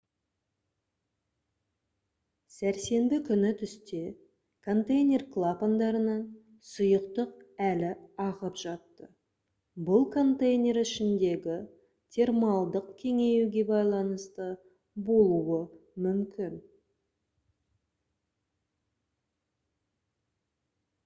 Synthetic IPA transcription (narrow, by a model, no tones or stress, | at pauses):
sæɾse̞mbɪkʲʰʏnɪt̪ʰʏst̪e̞ | kʰo̞nt̪ejnʲe̞rklˠapond̪ɑɾənəɴ | sʊjəqt̪əq̚ælɪɑʁəpʒ̥ɑt̪ːə | bʊlˠkʰo̞nt̪ejnʲe̞ɾɪʃɪnd̪e̞ɡʲɪ | t̪ʲʰe̞rmɑlˠd̪əqkʲʰe̞ŋe̞juɡʲe̞bɑjlˠɑnəst̪ə | bo̞lˠuwəmʏmkʲʰɪn